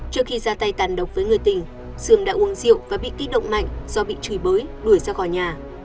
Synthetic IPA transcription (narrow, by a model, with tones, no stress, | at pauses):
t͡ɕɨ˦˥ək̚xi˧zaː˧t̪a˧jt̪aː˨˩nɗə˨˩wk͡p̚vəː˨˦jŋɨ˨˩əjt̪ï˨˩ŋ̟ | sɨ˧˩əmɗa̰ː˧˥ʔu˨˦əŋzḭ˧˨əwvaː˨˩ɓḭ˧˨ki˦˥t̚ɗə̰˧˨wŋ͡mma̰˧˨jŋ̟z̥ɔ˧ɓḭ˧˨t͡ɕɨ˨˩˦jɓəː˨˦jɗu˧˩əjzaː˧xɔ˧˩jɲaː˨˩